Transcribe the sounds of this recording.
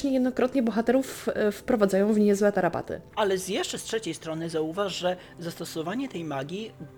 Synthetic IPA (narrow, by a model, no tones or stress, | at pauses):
ɲɛjɛd̪nɔkɾɔt̪ɲɛbɔxat̪ɛɾuffpɾɔvad̪zajɔ̃w̃vɲɛzwɛt̪aɾapa̰t̪ɘ̰alɛzjɛʂt͡ʂɛstʂɛt͡ɕejst̪ɾɔnɘzauvaʐʐɛ | zast̪ɔsɔvaɲɛt̪ɛjmaɡʲi